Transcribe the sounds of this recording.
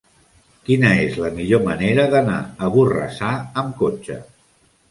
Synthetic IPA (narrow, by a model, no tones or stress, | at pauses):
kinəezləmiʎoməneɾəðəna̰əβurə̰saəmkot͡ʃə̰